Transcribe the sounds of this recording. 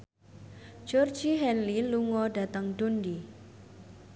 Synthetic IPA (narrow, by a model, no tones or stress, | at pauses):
d͡ʒ̥ɔrd͡ʒiɦɛnliluŋɔɖa̤t̪əŋɖ̥ondi